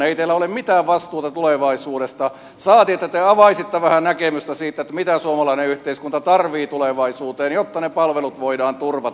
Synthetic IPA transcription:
eit̪eːlæolemmit̪æːʋʋɑst̪uːt̪ɑt̪uleʋɑisuːɾest̪ɑ | sɑːt̪iet̪ːæt̪eɑʋɑisit̪ːæʋæhænækemyst̪æsiːt̪ːˑæet̪ːæmit̪æsuomɑlɑineyht̪eiskunt̪ɑt̪ɑrʋiːt̪uleʋɑisuːt̪eːnjot̪ːɑnepɑlʋelut̪ʋoidɑːnt̪urʋɑ

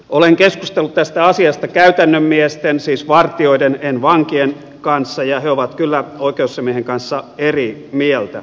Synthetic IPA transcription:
oleŋkeskust̪elːut̪t̪æst̪æɑsiɑst̪ɑkæyt̪ænːømːiest̪ensiːsʋɑrt̪io̞idenenʋɑŋkien | kɑnsːɑjɑheoʋɑt̪kylːæoikeusːemieheŋkɑnsːɑerimielt̪æ̰

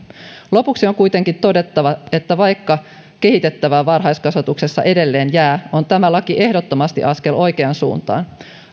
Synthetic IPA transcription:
lo̞puksio̞ŋkujt̪e̞ŋkint̪o̞de̞t̪ːɑʋɑe̞t̪ːæʋɑjkːɑ | ke̞ɦit̪e̞t̪ːæʋæːʋɑrɦɑjskɑsʋɑt̪ukse̞sːɑ̰ʔe̞de̞lːe̞ːnjæːʔo̞nt̪æmælɑkiʔe̞hdo̞t̪ːo̞mɑst̪ḭʔɑske̞lʔo̞jkeɑnsṵːnt̪ɑ̰ːn

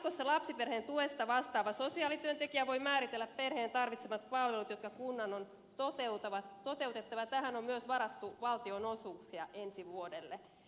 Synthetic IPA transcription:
kosːɑlɑpsiperheːnt̪uest̪ɑʋɑst̪ɑːʋɑsosiɑːlit̪yønt̪ekiæʋo̞jmæːɾit̪elːæpperheːnt̪ɑrʋit̪semɑt̪pɑlʋelut̪jot̪kɑkunːɑnon | t̪ot̪eut̪ɑʋɑt̪ːot̪e̞ut̪et̪ːɑʋɑt̪æhænommyøsʋɑɾɑt̪ːuʋɑlt̪ionosuːksiɑʔensiʋuodelːe

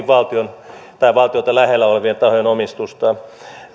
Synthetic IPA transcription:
ʋʋɑlt̪iont̪ɑiʋɑlt̪iot̪ɑlæhelːæoleʋient̪ɑhojenomist̪ust̪ɑ

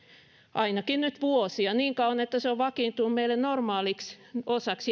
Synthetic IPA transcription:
ʔɑinɑkinnyt̪ʋuosiɑniːŋkɑuʋɑnet̪ːæseoʋʋɑkint̪unummeilːˑennormɑːliksosɑks

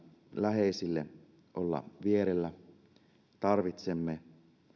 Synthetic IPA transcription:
læɦeisilːḛ | ʔolːɑ̰ʋieɾelːæ | t̪ɑrʋit̪semːe

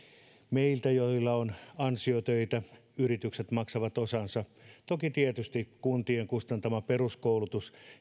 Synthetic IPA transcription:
meilt̪æjoilːɑonɑnsiot̪øit̪æyrit̪ykset̪mɑksɑʋɑt̪osɑnsɑt̪okit̪iet̪yst̪ikkunt̪ieŋkust̪ɑnt̪ɑmɑperuskoulut̪us

